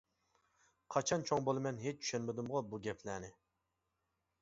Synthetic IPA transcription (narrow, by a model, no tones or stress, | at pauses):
qʰɑt͡ʃʰɑnt͡ʃʰoŋbolˠɨmɛnɦet͡ʃt͡ʃʰy̥ʃɛnmɪd̪umʁɑbuɡʲɛpʰlæːnɪ